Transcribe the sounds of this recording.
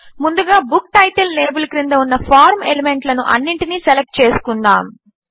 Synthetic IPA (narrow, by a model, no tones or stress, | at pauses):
mund̪uɡaːbuk̚ʈɐjʈɐlːeːbɐlkɾind̪ɐunːɐpʰaːɾmḛleme̞ɳʈlɐnṵʔɐ̰nːiɳʈiniselek̚ʈ̚t͡ʃe̞ːsu̥kund̪aːm